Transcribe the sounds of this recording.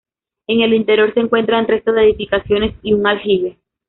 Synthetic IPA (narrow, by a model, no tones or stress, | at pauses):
e̞ŋe̞lint̪e̞ɾjo̞ɾse̞ːŋkwe̞nt̪ɾanre̞st̪o̞ðeðifikasjo̞ne̞siuŋalxiβe